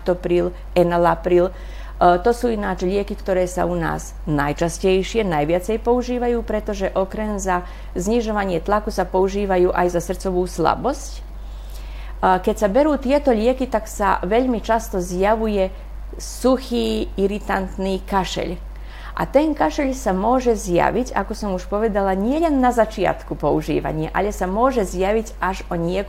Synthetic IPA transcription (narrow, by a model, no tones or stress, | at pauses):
t̪ɔpɾiːl | ɛnalapɾiːl | t̪ɔsuːinaːt͡ʃʎɪɛkikt̪ɔɾɛːsa̰una̰ːz | najt͡ʃascɛjʃɪɛnajʋɪat͡sɛjpɔuʒiːʋajuːpɾɛt̪ɔʒɛʔɔkɾɛmza | zɲiʒɔʋaɲɪɛt̪lakusapɔuʒiːʋajuːʔajzasr̩t͡sɔʋuːsla̰bɔsc | kɛcsabɛɾuːt̪ɪɛt̪ɔʎɪɛkit̪aksa̰ʋɛʎmit͡ʃast̪ɔzjaʋujɛ | suxiːiɾit̪ant̪niːkaʃɛ̰ʎ | ʔa̰t̪ɛnkaʃɛʎsamʊɔʒɛzja̰ʋiɟa̰kɔsɔmuʃpɔʋɛd̪alaɲɪɛʎɛnːazat͡ʃɪa̰t̪kupɔuʒḭːʋa̰ɲɪaʔaʎɛsamʊɔʒɛzjaʋicaʒɔɲɪɛ